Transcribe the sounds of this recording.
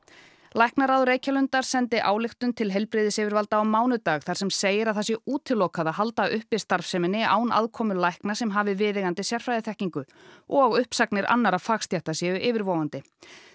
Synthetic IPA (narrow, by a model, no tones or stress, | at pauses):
lajhknaɾaðɾeːjcalʏnt̪aɾ̥sɛnt̪ɪʔaːwlɪxt̪ʏnt̪ʰɪlɦɛlpɾɪːðɪsɪːvɪɾvalt̪aːwmaːwnʏt̪aːɣθḁsɛmseːjɪɾaðθasjɛuːt̪ʰɪlːoːwkaðaɦalt̪aːʔʏhpɪst̪aɾ̥fsɛmɪnːɪa̰ːwna̰ðkʰɔːmʏlajhknasɛmɦaːvɪvɪːðɪɣant̪ɪsjɛr̥fɾajðɪθɛhciŋkʏ | ɔɣʏhpsaknɪɾʔa̰nːaɾafaːkst̪jajht̪asjɛʏʔɪːvɪɾvoːwɣant̪ɪ